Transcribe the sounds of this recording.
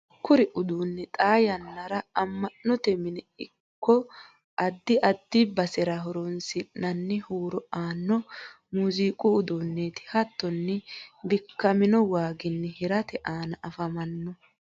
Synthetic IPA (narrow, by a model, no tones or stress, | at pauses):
kʊɾɪʔʊd̪uːnːɛt̪ʼaːjɐnːɐɾɐɐmːɐnːɔt̪ɛmɪnɛ | ɪ | kːɔ | ʔɐd̪ːɪʔɐd̪ːɪbɐsɛɾɐɦɔɾɔnsɪʔːɐnːɛhuːɾɔaːnːɔ | muːziːkʼʊːd̪oːnːeːt̪ɪ̥hɐt̪ːɔnːɛbɪkːɐmɪnɔwaːɡɪnːɛhɪɾɐt̪ɛʔaːnɐʔɐfɐmɐnːɔ